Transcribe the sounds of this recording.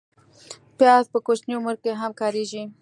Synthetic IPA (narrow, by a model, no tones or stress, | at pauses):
pjɑzpəkot͡ʃnjoməɾkeɦamkɑɾeʒi